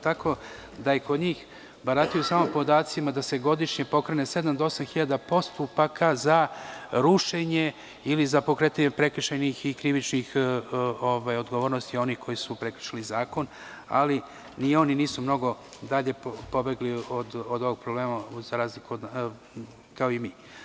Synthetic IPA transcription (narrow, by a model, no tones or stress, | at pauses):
t̪akʰo̞d̪ajeko̞d̪ɲiːx | baɾat̪ijusamompo̞d̪aːt̪simad̪ase̞ɡo̞d̪iʃɲe̞po̞kɾenese̞d̪amd̪oo̞samxiʎad̪apo̞st̪upakazaɾuʃe̞ɲe̞ | ilizapo̞kɾe̞ːt̪aɲepɾe̞kɾ̩ʃenixikɾiʋit͡ʃnix | oʋajod̪ɡo̞ʋo̞ːɾnost̪io̞nixkʰo̞jisupɾekɾr̥̩ʃalizaːko̞n | a̰li | nio̞niniːsumno̞ɡo̞d̪aʎe̞po̞be̞ɡliod̪od̪o̞ʋoɡ̚pɾobleːmaz̥aɾaːzlikuod̪ | kaoimiː